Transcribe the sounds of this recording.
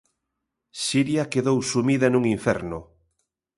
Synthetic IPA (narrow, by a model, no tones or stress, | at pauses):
siɾjakeðowsumiðɐnũŋiɱfɛ̰ɾnʊ